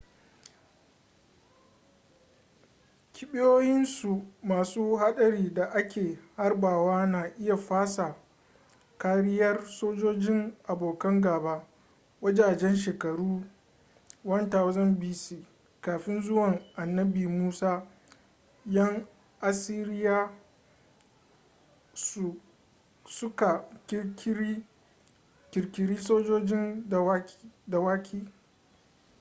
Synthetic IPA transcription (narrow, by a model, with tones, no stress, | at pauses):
kʲɪ˨ɓɪ˦joː˦jɪ˦nsu˨maː˨suː˦ha˦ɗɐ˨ɾiː˦da˨ʔa˦kʲeː˨ha˦rbaː˨waː˦naː˨ʔɪ˦ja˨ɸaː˦sa˨ | kaː˦ɾɪ˦jɐ˦rsoː˦d͡ʒoː˦d͡ʒɪ˦ŋʔa˨boː˨kɐ˦ŋɡaː˨baː˦ | wɐ˦d͡ʒaː˨d͡ʒɛ˦nʃ̬eː˨kɐ˨ɽuː˦ | wɐ˦ntaː˨wa˦zɐ˦mbi˦siː˨ | kaː˨ɸɪ˦nzʊ˦wɐ˨ŋʔa˨nːɐ˦biː˨muː˦saː˦ | jɐ˦ŋ | ʔa˨si˦ɾɪ˦jaː˦˨ | sʊ˦ka˨kkʲi˦ | kʲɪ˨ɾkʲɪ˨ɾiː˦soː˦d͡ʒoː˦d͡ʒɪ˦n˨wda˨waː˦kʲʰiː˦